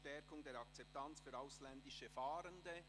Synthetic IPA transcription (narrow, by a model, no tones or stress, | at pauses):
tɛɾkʊŋdeːɾɑk̚t͡sɛp̚tant͡sfyːɾaʊslɛndɪʃəfaːɾəndə